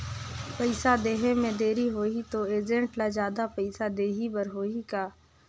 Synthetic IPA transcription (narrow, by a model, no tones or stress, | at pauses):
pɐɪsad̪eːɦemẽd̪eːɾiɦoːit̪oeːd͡ʒẽɳʈlad͡ʒjaːd̪apɐɪsad̪eːɦibəɾɦoːikaː